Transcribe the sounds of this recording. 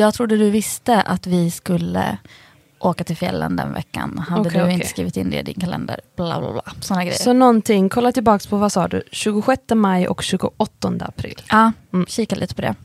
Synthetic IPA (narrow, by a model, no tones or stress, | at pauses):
jɑːɡ̚t̪ʰɾʊd̪ːəd̪ɵvɪst̪əʔat̪vɪskɵlːə | ʔoːkat̪ʰɪlfjɛlːənd̪ɛ̰nvɛ̰kːa̰nhad̪ːəd̪ɵɪnəskɾiːvɪt̪ɪnːd̪ɛ̰d̪ɪnkʰalɛnd̪əɾb̥lɑbla̰blɑːsɔnːaɡɾɛjːsɔnɔnt̪ʰɪŋkʰɔlːat̪ɪlbɑːkspʰɔvasɑːɖ̪ɵ̰ɕʉ̟ːɡʊɧɛt̪ːəmajɔ̰kɕʉ̟ːɡʊʔɔt̪ːɔnd̪əapʰɾɪ̰ːlːɑːɕiːkalḭːt̪ə̥pʰɔd̪ɛ̰